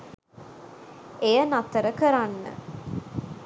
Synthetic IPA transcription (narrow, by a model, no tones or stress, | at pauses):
ejənat̪əɾəkəɾanːə̰